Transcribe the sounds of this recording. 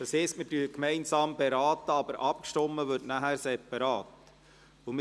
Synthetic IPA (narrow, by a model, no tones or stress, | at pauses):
d̥ɑsɪstmɪdyːkmɛɪnsɑːmbeɾɑːt̪əɑbəɾʔɑp̚kʃtɔmːəʋɵɾtnæɦæɾsɛpɑɾɑːt | omɪ